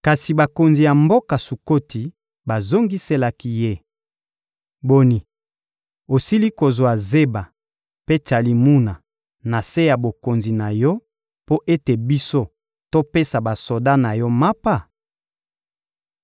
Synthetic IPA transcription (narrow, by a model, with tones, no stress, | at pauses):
ka˨si˨ba˨ko˨nzi˨ja˨mbo˦ka˨su˨ko˦ti˨ | ba˨zo˦ŋɡi˦se˦la˦ki˦je˦˨ | bo˦ni˨ | o˨si˦li˦ko˨zwa˨ze˦ba˨ | pe˦t͡ʃa˨li˨mu˦na˨ | na˨se˦ja˨bo˨ko˨nzi˨na˨jɔ˦ | po˦ʔe˦te˨bi˦so˦ | to˦pe˦sa˨ba˨so˨da˦na˨jɔ˦ma˦pa˦˨